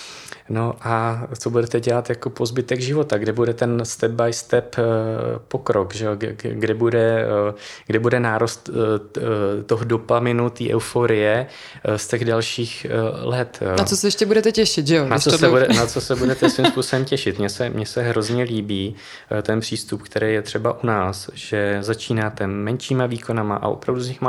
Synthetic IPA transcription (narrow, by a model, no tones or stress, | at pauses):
no̞ʔat͡so̞budɛt̪ɛɟɛlat̪jako̞po̞zbɪt̪ɛɡʒɪvo̞t̪aɡdɛbudɛt̪ɛnst̪ɛb̚bajst̪ɛp | po̞kɾokʒɛoɡdɛbudɛ | ɡdɛbudɛnaːɾost̪ | t̪oɦodo̞pamɪnut̪iːʔɛ̰wfoɾɪjɛ | st̪ɛɣdalʃiːxlɛt̪nat͡sosɛjɛʃcɛbudɛt̪ɛcɛʃɪt̪ʒɛonaat͡sosɛbudɛnat͡sosɛbudɛt̪ɛsvimspusobɛmcɛʃɪt̪mɲɛsɛmɲɛsɛɦɾo̞zɲɛliːbiː | t̪ɛnpr̝̥iːst̪upkt̪ɛɾɛːjɛt̪r̝̥ɛbaʔunaːsʒ̥ɛzat͡ʃiːnaːt̪ɛmɛnʃiːmaviːko̞namaʔa̰ʔo̞̰pɾavduzɲɪxma